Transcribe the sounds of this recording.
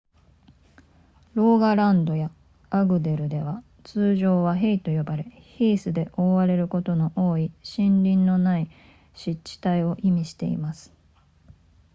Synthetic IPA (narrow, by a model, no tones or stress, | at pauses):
ɾo̞ːɡaɾãnd̪o̞ja | aɡɯ̟d̪e̞ɾɯ̟d̪e̞β̞a | t͡sɨːʑo̞ːβaɦe̞it̪o̞jo̞baɾe̞ | çiːsɨd̪e̞ʔo̞ːβaɾe̞ɾɯ̟ko̞t̪o̞no̞ʔoːiɕĩnɾʲĩnːo̞nai | ɕit͡ɕːi̥t̪aio̞ʔimʲiɕi̥t̪e̞̰ḭmasɨ̥